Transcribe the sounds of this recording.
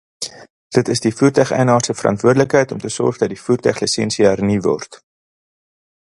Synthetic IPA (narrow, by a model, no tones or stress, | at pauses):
d̥ətəsdifuːrtœχɛ̰jnɑːrsəfərɐ̰ntvuərdələkɦəjtɔmtəsɔ̰rχdɐt̚difuːrtœχlisɛnsiərnivɔ̰rt